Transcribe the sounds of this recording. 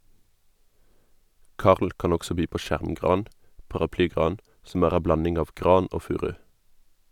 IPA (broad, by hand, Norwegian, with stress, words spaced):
ˈkɑːʁl ˈkɑːn ˈɔɡsɔ ˈbyː ˈpoː ˈʃæʁmˌɡʁɑːn pɑʁɑˈplyːˌɡʁɑːn sm̩ ˈæːʁ ˈæ ˈblɑnɪŋ ˈɑːʋ ˈɡʁɑːn ˈoː ˈfʉːʁʉ